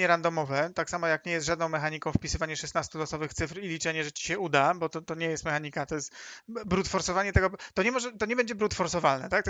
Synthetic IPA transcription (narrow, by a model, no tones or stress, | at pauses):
ɲɛɾand̪ɔmɔvɛt̪aksamɔjakɲɛjɛst̪ʐad̪nɔ̃w̃mɛxaɲikɔ̃w̃fpʲisɘvaɲɛʂɛsnast̪ulɔsɔvɘxt̪sɘfɾilʲit͡ʂɛɲɛʐɛt͡ɕi̥ɕɛud̪abɔt̪ɔt̪ɔɲɛjɛst̪mɛxaɲikat̪ɔjɛst̪bɾut̪fɔɾsɔvaɲɛt̪ɛɡɔt̪ɔɲɛmɔʐɛt̪ɔɲɛbɛɲd͡ʑɛbɾut̪fɔɾsɔvalnɛt̪ak̚t̪